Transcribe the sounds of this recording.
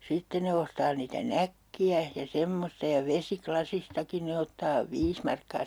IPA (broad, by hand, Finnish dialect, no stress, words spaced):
sitːen ne ostɑː niːtæ nækːiæ jɑ semːostɑ jɑ ʋesiklɑsistɑkin ne otːɑː ʋiːs mɑrkːɑː